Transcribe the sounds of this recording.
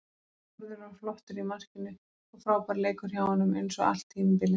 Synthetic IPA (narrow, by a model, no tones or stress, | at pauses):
aðɪɾaflɔht̪ʏɾimar̥cɪnːʏ | ɔɣfɾaːwpaɾleːjkʏɾ̥çjaːwhɔnːʏmejnsɔɣa̰l̥t̪hiːnmpɪlɪ